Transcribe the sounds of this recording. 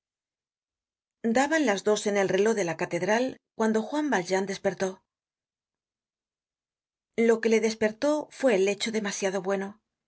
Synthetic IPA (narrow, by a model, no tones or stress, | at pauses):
d̪aβanlazðo̞se̞ne̞lre̞lo̞ðe̞lakat̪e̞ðɾalkwand̪o̞xwambald͡ʒand̪e̞spe̞ɾt̪o̞ | lo̞ke̞le̞ðe̞spe̞ɾt̪o̞fwe̞ːle̞t͡ʃo̞ðe̞masjaðo̞βwe̞no̞